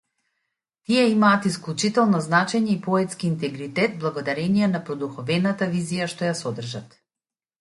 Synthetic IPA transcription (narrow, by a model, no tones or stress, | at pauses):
t̪iɛimaːt̪isklˠut͡ʃit̪ɛlˠnɔznat͡ʃɛɲɛipɔɛt̪skiːnt̪ɛɡɾit̪ɛt̪̚blˠaɡɔd̪aɾɛniɛnapɾɔd̪uxɔvɛnat̪avizijaʃt̪ɔjasɔd̪r̩ʒat̪